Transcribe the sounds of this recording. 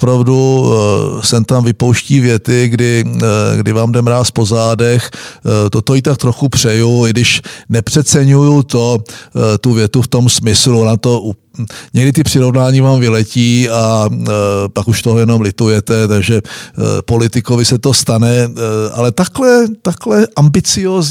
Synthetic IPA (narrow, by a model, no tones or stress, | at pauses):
ʔopɾavdu | sɛmt̪amvɪpo̞wʃciːvjɛt̪ɪɡdɪɡdɪvaːmdɛmɾaːspo̞zaːdɛxt̪ot̪ojit̪ak̚t̪ɾoxupr̥ɛjuɪɡdɪʃnɛpr̥ɛt̪t͡sɛɲujut̪ot̪uvjɛt̪uft̪o̞msmɪsluonat̪oʔuɲɛɡdɪt̪̬ɪpr̥ɪɾo̞vnaːɲivaːmvɪlɛciːa | pakuʃt̪oɦojɛno̞mlɪt̪ujɛt̪ɛt̪aɡʒɛpo̞lɪt̪ɪkovɪsɛt̪o̞st̪anɛʔa̰lɛt̪aklɛt̪aklɛʔambɪt͡sɪjoːz